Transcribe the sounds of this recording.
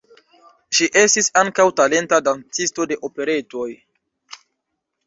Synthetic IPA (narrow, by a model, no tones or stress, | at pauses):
ʃiʔe̞stisaŋkawtale̞ntadant͡sisto̞de̞ʔo̞pe̞ɾe̞to̞j